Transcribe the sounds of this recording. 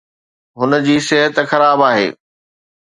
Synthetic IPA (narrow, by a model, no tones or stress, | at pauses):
ɦʊnəd͡ʑiːsɪɦət̪xɐɾaːbaːɦḛː